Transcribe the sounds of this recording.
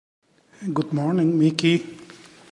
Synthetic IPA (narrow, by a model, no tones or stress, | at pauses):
ɡʊd̪mɔːɾnɪ̃ŋmiːki